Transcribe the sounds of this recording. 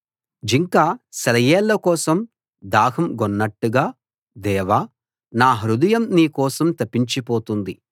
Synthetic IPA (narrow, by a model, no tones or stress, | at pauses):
d͡ʒiŋkaːsɐlɐjɛːlːɐkɔːsɐm | d̪aːɦɐmɡɔnːɐʈːuɡaː | d̪ɛːʋaː | naːɦɐɾud̪ɐjɐmniːkɔːsɐmt̪ɐpːiɲt͡ʃipoːt̪und̪i